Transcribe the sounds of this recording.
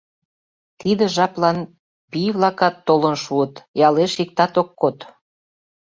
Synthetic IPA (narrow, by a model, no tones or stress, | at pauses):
t̪id̪ə̆ʒɑplɑn | pijβlɑkɑt̪ːolənʃuət̪jɑleʃik̚t̪ɑt̪okːot̪